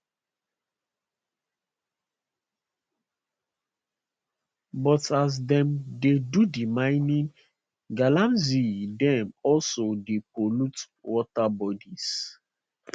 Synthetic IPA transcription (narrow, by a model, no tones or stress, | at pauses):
bɔtas̬dɛ̃mdedudimãɪnĩn | ɡalãmzidɛ̃mɔlsodepolut | wɔtabɔdis